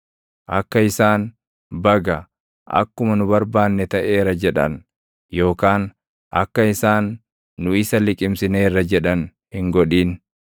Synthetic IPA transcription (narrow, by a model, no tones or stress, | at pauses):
ʔɐkːɐɪsaːn | bɐɡɐ | ʔɐ̰kːʊmɐnʊbɐɾbaːnːɛt̪ɐʔeːɾɐd͡ʒɛᶑɐ̰n | jo̞ːkaːn | ʔɐ̰kːɐɪsaːnː | ʊɪsɐlɪkʼɪmsɪne̞ːrːɐd͡ʒɛᶑɐn | hɪŋɡɔᶑiːn